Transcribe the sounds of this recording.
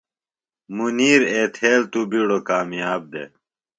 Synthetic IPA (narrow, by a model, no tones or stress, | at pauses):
muniːɾeːt̪ʰeːlt̪ubiɽokaːmjaːb̚d̪ḛ